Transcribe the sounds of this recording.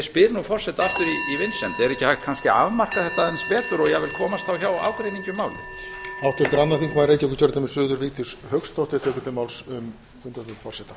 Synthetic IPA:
spɪɾnufɔr̥sɛt̪aahk̪ɪɾiivɪnsɛnt̪ɪɛɾɛhcːɪhajht̪kʰanscɪa̰vmar̥kaθɛht̪aðɛnspɛːt̪ʏɾɔɣjɛɣvɪlkʰɔːmast̪θawçawa̰ːwkɾejniɲcʏmaːwlɪ̰hawt̪ʰɛlt̪ɪɾanːaθiŋkmaðɾejcɛkʏ̥ɾ̥cʰœɾt̪ɪmɛsʏːðʏɾviːt̪ɪ̥shœkst̪owht̪ɪat̪ʰɛːkʏ̥t̪ʰɪlmawlsʏm | fʏnt̪at̪ʏfɔr̥sɛt̪ḁ

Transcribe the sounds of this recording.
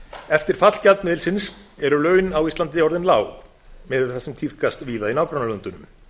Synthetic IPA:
ɛft̪ɪɾ̥fat̪l̥calt̪nmɪːðɪlsɪnsɛɾʏlœːɥnawist̪ant̪ɪɔɾðɪnlaːw | mɛðɪθɛsʏmt̪ʰið̥kast̪viːðainawkɾœnalœnt̪ʏnʏm

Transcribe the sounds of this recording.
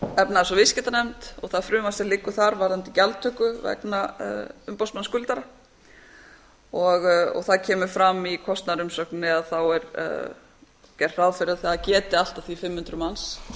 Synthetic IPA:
ɛpnaɛsɔvɪscɛt̪anɛmt̪ɔɣθaðfɾʏːmasɛlɪkːʏθaɾvaɾðant̪ɪcalt̪ʰœhkʏvɛ̰knaʏmpɔwsmanskʏlt̪aɾa | ɔɣɔ̰ɣθaðcʰɛːmʏfɾamːikʰɔst̪naɾʏmsœknɪaðθawɛɾ̰ | cɛr̥ːaðfɪɾɪaðθaðacɛːt̪ɪal̥t̪ḁθifɪmːhʏnt̪ɾʏmans

